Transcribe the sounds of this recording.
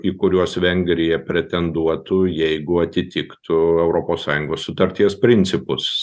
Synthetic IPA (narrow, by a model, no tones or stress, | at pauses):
ikʊɾʲuɔsʋʲɛŋʲɡɾʲɪjɛpʲɾʲɛt̪ʲɛnd̪uɔt̪ʊjɛɪɡʊɐt̪ʲɪt̪ʲɪkt̪ʊɛʊɾoːpoːssɑːjʊŋɡoːssʊt̪ɐɾʲt̪ʲiɛspʲɾʲɪnʲtsʲɪpʊs